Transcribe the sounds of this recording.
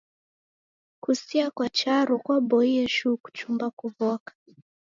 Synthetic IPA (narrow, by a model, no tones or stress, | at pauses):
kusiakwat͡ʃaɾɔkwabɔiɛʃuku̥t͡ʃumbakuvɔkḁ